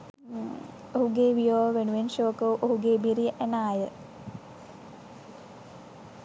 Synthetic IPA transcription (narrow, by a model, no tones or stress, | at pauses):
oɦuɡeːʋijoːʋəʋenuʋenʃoːkəwʔoɦuɡeːbiɾijəʔænaːjə